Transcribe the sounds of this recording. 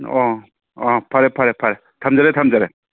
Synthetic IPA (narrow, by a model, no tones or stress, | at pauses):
ɔ | ɔpʰaɾepʰaɾɛpʰaɾɛ | tʰamzaɾetʰamzaɾe